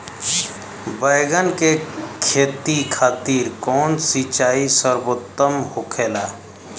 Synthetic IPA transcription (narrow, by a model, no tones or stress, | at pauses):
bəɪɡənkekʰeːt̪ikʰaːt̪iːɾkɔːnsit͡ʃaːisəɾbot̪ːəmhokʰeːlaː